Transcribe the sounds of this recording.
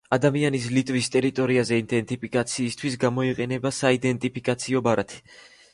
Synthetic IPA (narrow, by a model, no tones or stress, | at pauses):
ad̪amianis̬lit̪ʼvist̪ʼɛɾit̪ʼɔɾiazɛind̪ɛnt̪ʼipʰikʼat̪sʰiːst̪ʰwisɡamɔiqʼɛnɛbasaid̪ɛnt̪ʼipʰikʼat̪sʰiɔbaɾat̪ʰi̥